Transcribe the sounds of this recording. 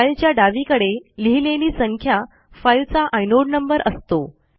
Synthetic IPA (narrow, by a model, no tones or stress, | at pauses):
ailt͡ɕjaɖaʋikəɽeliɦileliːsəŋkʰja | fajlt͡saʔajnoɽnəmbəɾʔəst̪o